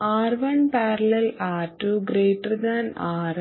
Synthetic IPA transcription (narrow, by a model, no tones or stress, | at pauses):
aːɾʋɐnpaːɾɐlɐlaːʈːuɡɾeːʈːɐɾd̪anaːɾ